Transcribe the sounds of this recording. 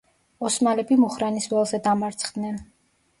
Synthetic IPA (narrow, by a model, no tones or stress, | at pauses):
ɔsmalɛbimuχɾanisvɛlˠzɛd̪amaɾt̪sʰχd̪nɛn